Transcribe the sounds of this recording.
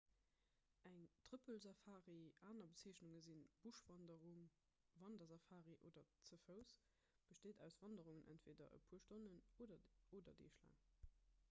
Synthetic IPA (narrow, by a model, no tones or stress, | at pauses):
ʔæŋtʁipʰəlzɑfaːʁiaːnɐbət͡siːəɕnuŋəzinb̥uʃv̥ɑndəʁuŋ | vɑndɐzɑfaːʁiʔoːdɐt͡səfəʊs | b̥əʃteːdæʊsv̥ɑndəʁuŋənʔæ̰ntv̥eːdɐ̰ə̰pʰuːɐʃtonənoːdɐoːdɐdḛːʃla̰ːŋ